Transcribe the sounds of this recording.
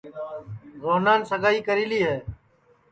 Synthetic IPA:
zoːnaːnsəɡaːiːkəɾiːliːɦɛː

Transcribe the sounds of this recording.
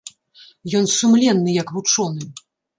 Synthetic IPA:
jɔnsumlʲɛnːɨjɐkvut͡ʂɔnɨ

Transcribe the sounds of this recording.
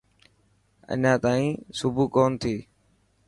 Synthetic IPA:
ə̰ɲãːt̪aːĩːsʊbʱuːkoːnt̪ʰiː

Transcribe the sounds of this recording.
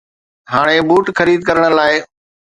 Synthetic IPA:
ɦaːɽ̃ebuːʈxəɾiːd̪̚kɐɾəɽ̃əlaːɪ

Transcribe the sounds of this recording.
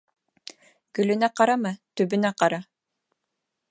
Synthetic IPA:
ɡɵlynæqɑɾamat̪ybynæqɑɾa

